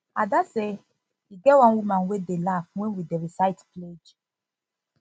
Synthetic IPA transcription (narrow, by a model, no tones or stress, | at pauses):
adase | iɡɛwãnwumãnwedelafwɛ̃nwideɹisaɪtpled͡ʒ